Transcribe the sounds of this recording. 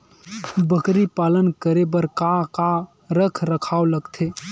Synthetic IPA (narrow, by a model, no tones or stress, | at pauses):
bəkɾipalənkəɾebəɾkaka | ɾəkʰɾəkʰaoləɡt̪ʰe